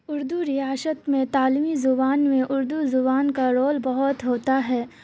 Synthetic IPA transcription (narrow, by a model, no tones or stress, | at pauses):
ʊɾd̪uɾɪjaːsət̪mẽt̪aːlimizʊbaːnmẽʔʊɾd̪uzʊbaːnkaɾoːlbɐɦʊt̪ɦoːt̪aɦɛː